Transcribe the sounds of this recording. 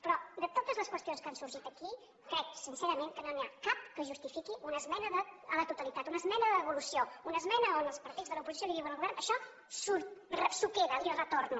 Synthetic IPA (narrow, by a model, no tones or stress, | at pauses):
pɾɔd̪ət̪ot̪əzləskwəst̪ionskansuɾʒit̪əki | kɾɛk̚sinseɾəmeŋkənoniakap̚kəʒust̪ifikiʔunəzmɛnəðəələt̪ut̪əlit̪at̪unəzmɛnəðəəβulusiounəzmɛnəonəlˠspəɾt̪idzðələupuzisjoliiβənəlɣuβɛɾnəʃɔ | suɾrəsukeðəirət̪oɾnu